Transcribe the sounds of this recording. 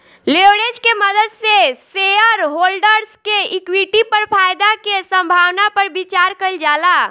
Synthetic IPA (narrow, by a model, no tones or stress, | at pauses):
leʋɽed͡ʒkeməd̪əd̪seseəɾɦolɖəɾskeikwiʈipəɾpʰajd̪akesə̃mbʱawnapəɾbit͡ʃaɾkəld͡ʒala